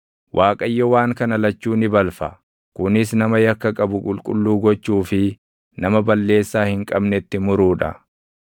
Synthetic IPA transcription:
wʔaːkʼɐjːɔwaːŋkɐnɐlɐt͡ʃːuːnɪbɐlfɐ | kʊnɪs̬nɐmɐjɐkːɐkʼɐbʊkʼʊlkʼʊlːuːɡɔt͡ʃːuːfɪ | nɐmɐbɐlːe̞ːsːaːhɪŋkʼɐbnɛt̪ːɪmʊɾuːᶑɐ̰

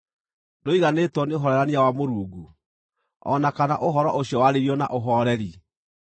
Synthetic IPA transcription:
doiɣanetwɔneoɦɔɾɛɾaneawamoɾuːɡu | ɔ̰nakanaʔoɦɔɾɔʔoɕjɔwaɾeɾiɔna̰ʔoɦɔɾɛɾi

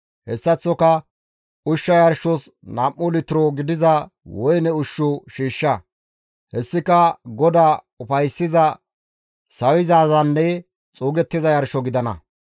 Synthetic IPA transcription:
hɛsːɐt͡sːɔkɐ | ʊʃːɐjɐɾʃɔsnɐmːʊlɪt̪ɪɾɔɡɪd̪ɪzɐ | wɔjnɛʊʃːʊʃiːʃːɐ | hɛsːɪkɐɡɔd̪aː | ʊfɐjsːɪzɐ | sɐwɪzaːzɐnːɛ | t͡sʼuːɡɛt̪ːɪzɐjɐɾʃɔɡɪd̪ɐnɐ̰

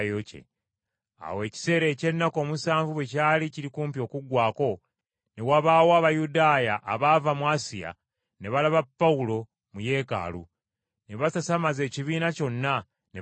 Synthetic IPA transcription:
jocḛ | a̰we̞ːci̥se̞ːɾe̞ːce̞nːako̞ːmusaːɱvuwe̞caːliciɾikuːmpjo̞ːkuɡwaːko̞ | ne̞waβaːwoaβajudaːjaʔːβaːvamwaːsija̰ | ne̞βalaβapːaulo̞ | muje̞ːka̰ːlṵ | ne̞βasasamaze̞ːciβiːnaco̞nːa | ne

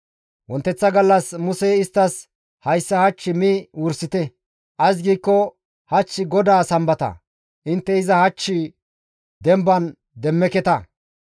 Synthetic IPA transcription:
wɔnt̪ːɛt͡sːɐɡɐlːɐsmʊsɛɪst̪ːɐs | hɐjsːɐhɐt͡ʃːɪmiwʊɾsɪt̪ɛ | ʔɐs̬ɡiːkːɔ | hɐt͡ʃːɪɡɔd̪aːsɐmbɐt̪ɐ̰ | ʔɪnt̪ːɛɪzɐhɐt͡ʃːɪ | d̪ɛmbɐn | d̪ɛmːɛkɛt̪ɐ

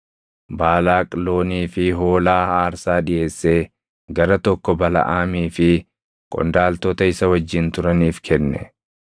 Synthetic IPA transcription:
baːlaːkʼlo̞ːniːfɪɦoːlaːhaːɾsaːᶑɪje̞ːsːe̞ː | ɡɐɾɐt̪ɔkːɔbɐlɐ̰ʔaːmiːfɪ | kʼɔ̰nd̪aːlt̪ɔt̪ɐɪsɐwɐd͡ʒːɪnt̪ʊɾɐniːfkʰɛnːɛ̰

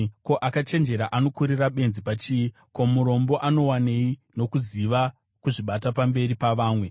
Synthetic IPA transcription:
ko̞ʔakat͡ʃe̞nd͡ʒe̞ɾaʔano̞kuɾiraɓe̞nzipat͡ʃiːi | ko̞muɾo̞mbo̞ʔano̞wane̞ino̞kuziʋa | kuʐiɓatapambe̞ripaʋaːmwe̞

